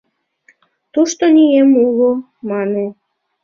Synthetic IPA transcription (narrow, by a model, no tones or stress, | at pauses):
t̪uʃt̪onʲijemulo | mɑne